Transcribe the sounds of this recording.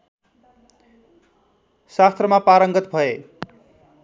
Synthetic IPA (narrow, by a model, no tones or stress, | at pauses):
sast̪rʌmapaɾʌŋɡʌt̪bʱʌe